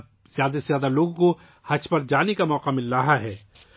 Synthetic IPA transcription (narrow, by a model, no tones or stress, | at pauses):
zjaːd̪aszjaːd̪aloːɡko | hɐt͡ʃpɐɾd͡ʒaːnekamɔːqamɪlːaːɦaɦɛː